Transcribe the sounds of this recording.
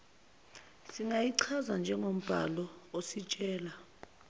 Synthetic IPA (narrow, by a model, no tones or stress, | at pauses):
siŋɡʱajiǀʰazand͡ʒʱɛŋom̩b̥ʱa̰lɔosit͡ʃʼɛːla